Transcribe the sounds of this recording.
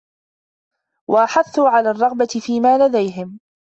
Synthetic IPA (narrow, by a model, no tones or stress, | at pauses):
wʔaʔaħaθːuːʕalaːrˤːɑɣbat̪ɪfiːmaːlad̪ajɦɪm